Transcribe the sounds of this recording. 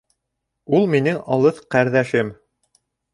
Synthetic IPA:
ulˠminɘŋɑlˠɤθqæɾðæʃɘm

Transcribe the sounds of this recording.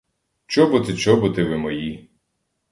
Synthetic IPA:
t͡ʃɔbʊt̪ɪt͡ʃɔbʊt̪ɪʋɪmɔji

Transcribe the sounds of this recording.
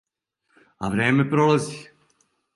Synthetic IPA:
a̰ʋɾeːmepɾolazi

